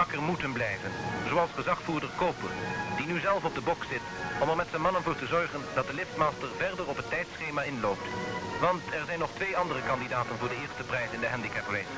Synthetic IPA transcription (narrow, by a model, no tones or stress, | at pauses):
ɑkəɹmutənblɛjvənzoɑlˠsχəzɑχfuːɹdəɹkowpərd̥inyzɛlˠfɔb̚dəbɔksɪtɔmɛɹmɛtsɛnmɑnənvʊːɹtəzɔɹχəndɑt̚dəlɪftmaːstəɹvɛɹdərɔpɦətɛjtsχejmaːɪnloːp̚tʋɑntɛɹzɛjnːɔχtʋejɑndərəkɑndidaːtənvʊːɹdəɦɪːɹstəprɛjsɪndəɦɛndikɛpəle